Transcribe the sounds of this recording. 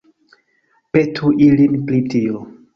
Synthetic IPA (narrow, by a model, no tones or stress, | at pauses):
petʰuʔilinplitio